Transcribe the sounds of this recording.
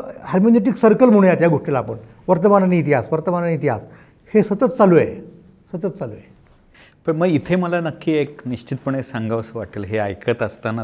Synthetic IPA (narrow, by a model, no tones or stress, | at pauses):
haɾmoneʈ̬iksəɾkəlm̤oɽ̃jat̪jaɡoʂʈilaːpəɳ | ʋəɾt̪əmananiːt̪iɦasʋəɾt̪əmananiːt̪iɦa̰s | hesət̪ət͡s̪t͡saluja̰j | sət̪ət͡st͡saluja̰ | pəɳməɡit̪ʰeməlanəkːiːekniɕt͡ɕit̪̚pəɳesaŋɡaʋsəʋaʈəlɦeajkʰət̪əst̪ana